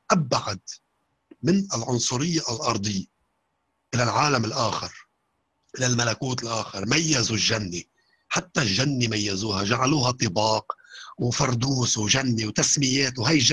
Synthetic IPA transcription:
ʔabʕad̪ | mɪnɪlʕʊnsˤʊɾɪjːalʔɑɾˤd̪ˤɪjːa | ʔɪlalʕaːlamɪlʔaːxɪɾ | ʔɪlalmalakuːt̪ɪlʔaːxɪɾˤmajːazulːanːi | ħat̪ːaʒːanːimajːazuːhaʒaʕaluːɦat̪ˤːɨbɑːqwfɑɾˤd̪uːswʒanːiwt̪asmɪjeːt̪wɦajɪ

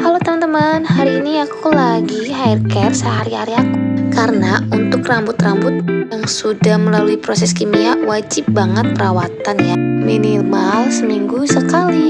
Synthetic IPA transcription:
kalot̪əmant̪əmanɦaɾiːniakʰulaɡiɦairkɛrsəɦaɾihaɾiakukaɾənaunt̪ʊkrambʊt̪rambʊt̪̚jaŋsudahməlaluipɾosɛskimiawad͡ʒɪp̚baŋət̪̚pəɾawat̪anjaminimalsəmiŋɡusəkali

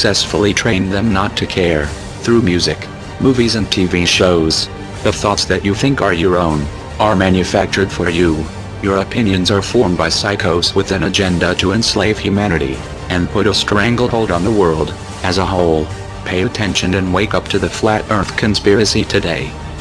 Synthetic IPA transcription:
əksɛsfl̩ˠitʰɹ̥ẽɪ̃nðɨ̃mnətʰɨkʰɛɹ | θɹumjʉzɨk | muvizɨ̃ntʰiviʃoʊz | ðəθɔtsðɨt͡ʃɨθɪ̃ŋkə˞jə˞õʊ̃n | ə˞mæ̃njɨfæk̚t͡ʃə˞d̥fə˞ju | jə˞əpʰɪ̃njɨ̃nzə˞fɔɹmbaɪsaɪkʰoʊswɨðɨ̃nɨd͡ʒɛ̃ndəɾɨɨ̃nsleɪv̥hjʉmæñɨɾḭ | ɨ̃npʰʊɾəstɹ̥æ̃ŋɡl̩̚ˠhoʊlˠdn̩ðəwɜ˞lˠd | ɨzəɦoʊlˠ | pʰeɪɨtʰɛ̃nʃɨ̃nɨ̃nweɪkʌp̚tʰɨðɨflæɾɜ̃˞θkʰɨ̃nspɪɹɨsiɾʰɨdeɪ

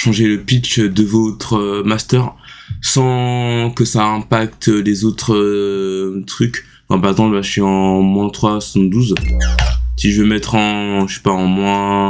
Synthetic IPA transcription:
ʃɑ̃ʒeləpit͡ʃd̪əvot̪χəmast̪œʁsɑ̃kəsaɛ̃pakt̪ølezot̪χə | t̪χykʲ | kɑ̃paʁɛɡzɑ̃plbaʒəsɥiɑ̃mwɛ̃t̪χwaswsɑ̃d̪uz | siʒəvømɛt̪χɑ̃ʃɛ̥paɑ̃mwɛ̃

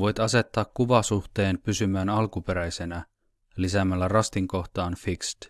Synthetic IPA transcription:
ʋo̞jt̪ɑse̞t̪ːɑːkkuʋɑsuht̪e̞ːnpysymæːnɑlkupe̞ɾæjse̞næ | lisæmælːærɑst̪iŋko̞ht̪ɑːnfikst̪

